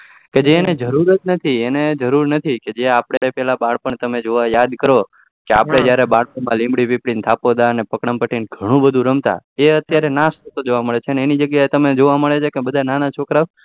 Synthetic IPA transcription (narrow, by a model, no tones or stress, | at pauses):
ked͡ʒeːned͡ʒəɾuɾət̪̚nət̪ʰiened͡ʒəɾuɾnət̪ʰiked͡ʒeapɽeɽepɛlabaɽpəɳt̪əmed͡ʒoʋajad̪kəɾo | keapɽ̃ed͡ʒjaɾebaɽpəɳmãlĩmbɽipipɽint̪ʰapod̪aənepəkɽəmpəʈinɡʱəɽ̃ũbəd̪ʱũɾəmt̪a̰eət̪jaɾenast̪ət̪od͡ʒoʋaməɭet͡ʃʰeəneenid͡ʒəɡjaet̪əmed͡ʒoʋaməɭet͡ʃʰekebəd̪ʱananat͡ʃʰokɾaʋ